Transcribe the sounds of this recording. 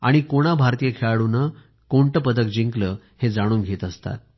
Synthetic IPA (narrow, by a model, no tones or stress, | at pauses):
a̰ɽ̃ikoɽ̃abʱaɾt̪ijəkʰeɭaɽunə | koɳʈəpəd̪ək̚d͡ʑiŋkləː | hed͡zaɽ̃uːnɡʱet̪əst̪a̰t̪̚